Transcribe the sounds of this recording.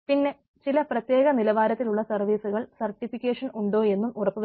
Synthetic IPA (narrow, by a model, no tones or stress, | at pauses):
pinːe̞ | t͡ɕilɐprɐt̪je̞ːɣɐnilɐʋaːɾɐt̪ːiluɭːɐsɐrʋiːsuɣɐɭsɐrʈːifikʲːeːʂɐnuɳɖo̞ːe̞nːumurɐpːuʋɐ